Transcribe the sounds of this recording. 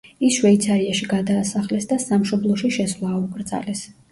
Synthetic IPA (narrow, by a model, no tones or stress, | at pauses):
isʃwɛit̪sʰaɾiaʃiɡad̪aːsaχlɛsd̪asamʃɔblˠɔʃiʃɛsvlˠaːukʼɾd̪za̰lɛs